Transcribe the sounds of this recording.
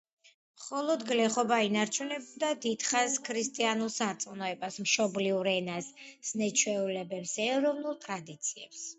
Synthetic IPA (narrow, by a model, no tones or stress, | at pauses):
mχɔlˠɔd̪ɡlɛχɔbainaɾt͡ʃʰunɛbd̪ad̪id̪̥χaskʰɾist̪ʼianulˠsaɾt̪sʼnɔɛbasmʃɔbliuɾɛnasnɛt͡ʃʰwɛulɛbɛpsɛɾɔvnulˠt̪ʼɾad̪it̪sʰiɛ̰ps